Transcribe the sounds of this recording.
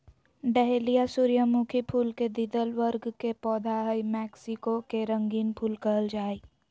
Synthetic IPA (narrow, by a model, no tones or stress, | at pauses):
ɖɛɦelijasuːɾjəmukʰipʰuːlked̪id̪əlʋəɾɡkepɔːd̪ʱaɦəimɛːksikokeɾə̃ŋɡiːnpʰuːlkəəld͡ʒaːi